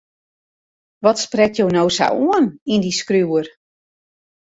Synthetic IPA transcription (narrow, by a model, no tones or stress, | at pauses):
ʋɔtsprɛtjownowsa̰wuənindiskruər